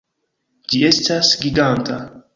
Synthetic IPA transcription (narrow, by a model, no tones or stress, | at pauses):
d͡ʒie̞stasɡʲiɡant̪ʰa